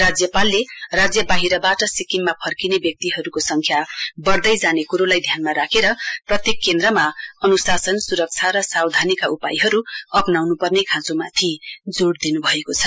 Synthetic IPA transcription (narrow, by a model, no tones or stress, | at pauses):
rad͡zjʌpalːerad͡zjʌbaɦiɾʌbaʈʌsikimːapʰʌrkinebjʌk̚t̪iɦʌɾukosʌŋkʰjabʌrd̪ʌjd͡zanekuɾolajd̪ʱjanmaɾakʰeɾʌprʌt̪jekːend̪rʌmaʌnusasʌnsuɾʌk̚t͡sʰaɾʌsawd̪ʱanikaupajɦʌɾuʌpnawnupʌrnekʰãt͡somat̪ʰid͡zoɽd̪inubʱʌekot͡sʰʌ